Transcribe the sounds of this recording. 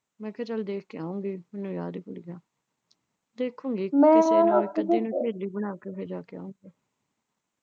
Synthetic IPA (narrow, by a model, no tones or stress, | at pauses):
mɛ̃ːkət͡ʃəld̪eːkʰkeaːũːɡiːmɪnũːjaːd̪kʊlɡaː | d̪eːkʰːũːŋɡiːɛ̃ːɪseːnũːmɛ̃ːkəd̪iːnũːpeːliːbənaːkeːpʰeːd͡ʒaːkea̰ːũːŋɡaː